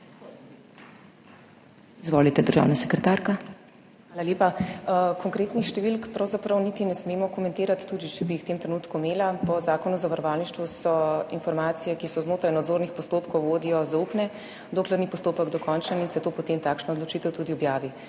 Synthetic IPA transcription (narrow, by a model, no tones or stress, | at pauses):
izʋoːlit̪ɛd̪əɾʒa̰wnasɛkɾɛt̪aɾka | xaːlaljeːpakʰɔŋkɾeːt̪nixʃt̪ɛʋilkpɾawzapɾawnit̪inɛsmeːmɔkɔmɛnt̪eːɾat̪i̥t̪ːuːd̪it͡ʃɛbiixw̥t̪eːmt̪ɾenuːt̪kumeːlapɔzaːkɔnuzaʋaɾɔʋaːlniʃt̪ʋusɔinfɔɾmaːt̪sijɛkisɔznoːt̪ɾajnad̪zoːɾnixpɔst̪oːpkɔwʋoːd̪ijɔzaupnɛ | d̪oːklɛɾnipɔst̪oːpəɡd̪ɔkɔnt͡ʃaninsɛt̪oːpɔt̪emt̪aːkʃnaɔd̪lɔt͡ʃit̪ɛwt̪uːd̪iɔbjaːʋi